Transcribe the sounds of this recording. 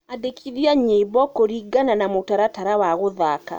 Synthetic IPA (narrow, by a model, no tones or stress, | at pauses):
adekʰiðjaɲeiβɔkoɾiɡananamotaɾataɾawaɣoðaka̰